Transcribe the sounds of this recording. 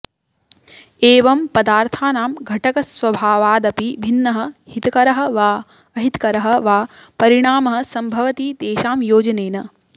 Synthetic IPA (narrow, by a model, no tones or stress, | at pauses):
eːʋɐmpɐd̪aːɾt̪ʰaːnaːmɡʱɐʈɐkɐsʋɐbʱaːʋaːd̪ɐpibʱinːɐɦɐ̆hit̪ɐkɐɾɐɦɐ̆ʋaː | ɐɦit̪kɐɾɐɦɐʋaːpɐɾiɳaːmɐɦɐ̆sɐmbʱɐʋɐt̪iːd̪eːʃaːmjoːd͡ʒɐneːnɐ